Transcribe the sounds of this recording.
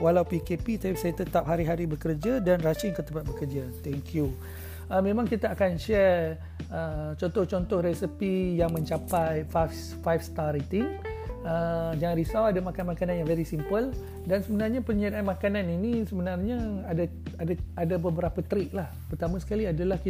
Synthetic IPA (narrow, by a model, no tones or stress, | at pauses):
walawpikepit̪apisajat̪ət̪ap̚ɦaɾiɦaɾibəkərd͡ʒadanrat͡ʃiŋkət̪əmpat̪̚bəkərd͡ʒat̪ɛŋkʰju | əmẽmãŋkit̪aakanʃɛr | ət͡ʃɔ̃nt̪ɔht͡ʃɔnt̪ɔhɾɛsəpijaŋmə̃ɲt͡ʃapajfaf | fajfst̪aɾit̪iŋəd͡ʒaŋanɾisawadamakanmakanãnjaŋvɛɾisimpəl | dansəbənarɲapəɲadaʔanmãkananinisəbənarɲaada | adaadabəbəɾapat̪ɾik̚lahpərt̪amãsə̥kaliadalahki